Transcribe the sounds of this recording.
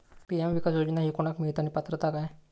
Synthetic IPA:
piɛmʋikasjod͡ʑinaɦikoɽ̃akmiɭt̪añipət̪ɾət̪akaj

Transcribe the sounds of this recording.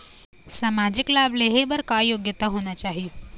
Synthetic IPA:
saːmaːd͡ʒɪklaːbleɦebəɾkaːjoːɡjət̪aɦoːnat͡ʃaːɦijo

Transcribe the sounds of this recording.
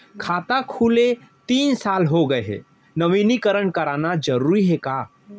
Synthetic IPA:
kʰaːt̪akʰuːle | t̪iːnsaːlɦoɡəeɦɛ̰ | nəʋiːnikəɾəɳkəɾaːnad͡ʒəɾuːɾiɦɛkaː

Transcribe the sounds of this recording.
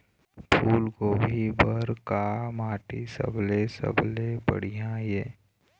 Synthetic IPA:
pʰuːlɡoːbʱibəɾkamaːʈisə̰blesə̰blebə̰ɽ̤ijãjeː

